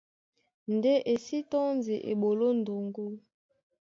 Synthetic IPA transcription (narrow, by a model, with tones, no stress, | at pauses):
n˨de˦ʔe˨si˦tɔ˦nzi˨ʔḛ˨ɓo˨lo˦n˨do˨ŋɡo˦